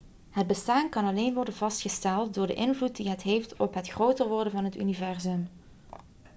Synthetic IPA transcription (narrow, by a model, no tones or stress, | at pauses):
ɦəd̚bəstaːnkɑnɑlejnʋɔrdənvɑstχəstɛlˠt̚dʊːɹdə̰ʔɪnvlut̚diɦətɦejftɔpɦətxrowtərʋɔɹdənvɑnɦəty̰nivɛrzɵm